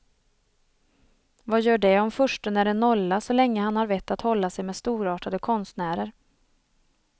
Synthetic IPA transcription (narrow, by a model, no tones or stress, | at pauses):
vajœːɖɛɔmfɵʂʈənæɖɛnɔlːasɔlɛŋːəhanhaɾvɛt̪ːat̪hɔlːasɛjmɛːd̪st̪uːɾɑːʈad̪əkʰɔnst̪næːɾəɾ